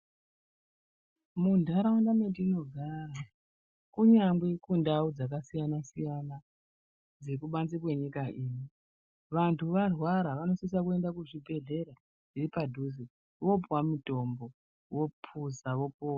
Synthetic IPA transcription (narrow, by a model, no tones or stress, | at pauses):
mundʱaɾawandame̞tiːno̞ɡʱaːra | kuɲamɡwe̞kundaud͡zakasijanasijana | d͡zekuɓand͡zikwe̞ɲikaʔiːni | ʋantʰuʋarwaɾaʋano̞sis̬akue̞ndakuʐibʱe̞ɮe̞ɾa | iripadʱuzi | ʋo̞pwamito̞mbo̞ | wo̞pʰuzaʋo̞poːwa